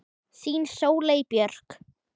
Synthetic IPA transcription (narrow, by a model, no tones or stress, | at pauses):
siːnsoːwleːjpjœr̥k